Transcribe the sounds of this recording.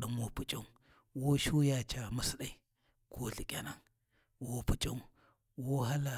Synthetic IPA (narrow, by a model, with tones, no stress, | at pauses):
ɗu˨mwo˦pu˨t͡ʃʼa˦ | wo˦ʃu˦ja˨t͡ʃa˨mə˨sə˨ɗa˨i˨ | kʰo˦ɬi˨kʲʼa˨na˨ŋ | wo˦pu˨t͡ʃʼa˦u˦ | wo˦ɦa˦la˨